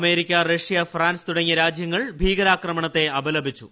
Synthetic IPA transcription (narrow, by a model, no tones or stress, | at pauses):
me̞ːɾikʲːɐreʂijɐfraːnst̪uɽɐŋːiɾaːd͡ʑjɐŋːɐɭbʱiːɡɐɾaːkrɐmɐɳɐt̪ːe̞ɐbɐlɐbʱit͡ɕːu